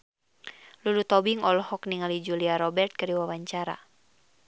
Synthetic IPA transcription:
lulut̪ɔbiŋɔlhɔkniŋalid͡ʒuliaɾɔbɛrt̪̚kɨɾiwawaɲt͡ʃaɾa̰

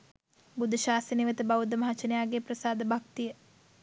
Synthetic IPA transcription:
bud̪ʱəʃaːsəniʋət̪əbaʋud̪əmɐɦat͡ʃənjaːɡeprəsaːd̪əbʱak̚t̪ijə

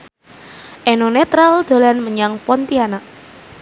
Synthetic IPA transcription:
ʔenonet̪ɾald̪̥olanməɲaŋpɔnt̪iana

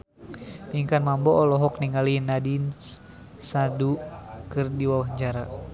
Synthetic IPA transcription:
piŋkanmambɔːlɔɦɔk̚niŋalinadin | sadukɨrdiwawaɦɲd͡ʒaɾa

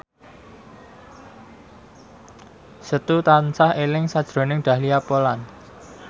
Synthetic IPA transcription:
sət̪ut̪ant͡ʃahelɪŋsad̥ʒ̥ɾo̤nɪŋɖ̪̥ä̤hliapolan

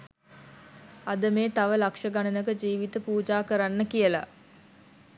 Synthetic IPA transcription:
ad̪əmeːt̪aʋəlakʂəɡanənəkəd͡ʒiːʋit̪əpuːd͡ʒaːkəɾanːəkijəla̰

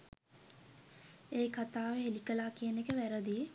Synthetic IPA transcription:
eːkat̪aːʋeɦelikəlaːkijənekəʋæɾəd̪ije

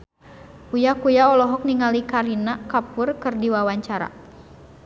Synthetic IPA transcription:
ujakujaɔlɔɦɔk̚niŋalikaɾinakapʊrkɨrdiwawaɲt͡ʃaɾa̰

